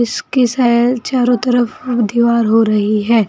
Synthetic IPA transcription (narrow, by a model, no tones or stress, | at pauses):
ɪskisɛt͡ʃaːɾõt̪əɾəfd̪iːʋaːɾɦoɾɐɦiɦɛː